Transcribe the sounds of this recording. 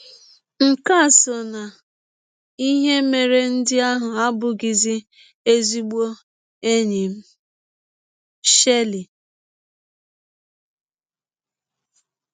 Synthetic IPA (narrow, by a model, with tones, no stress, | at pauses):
ŋ̩˨ka˦˨so˨na˨ | i˦ɦe˦me˨ɾe˦n̩˦dɪ˦a˦ɦʊ˨a˦bʊ˨ɡɪ˨zɪ˦ | e˦zi˦ɡ͡bo˦ | e˦ɲi˨m̩˦ | ʃe˦li˨